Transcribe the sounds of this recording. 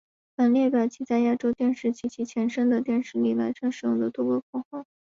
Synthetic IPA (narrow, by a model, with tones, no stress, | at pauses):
fa˨˩nljɛ˥˧pjɑ˨˩t͡ɕʰi˥˩t͡sa˥˧ɪja˥˩ʈ͡ʂo˥ʊt̪jɛ˥˧nʂɻ̩˥˩t͡ɕʰi˧˥t͡ɕʰi˧˥t͡ɕʰjɛ˧˥nʂə˥ŋd̪ə˨t̪jɛ˥˧nʂɻ̩˥˧li˥˩la˧˥ɪʈ͡ʂʰɤ˧˥nʂɻ̩˨˩jʊ̰˥˩ŋd̪ə˩t̪u˥kwɔ˥˩kʰɔ˥˩xwɑ˥˩ʊ